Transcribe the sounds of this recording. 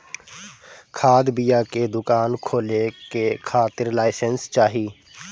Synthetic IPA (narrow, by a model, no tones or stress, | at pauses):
kʰaːd̪bɪjaːkeːd̪ʊkaːnkʰoːleːkeːkʰaːt̪ɪɾlaːɪsənst͡ʃaːɦiː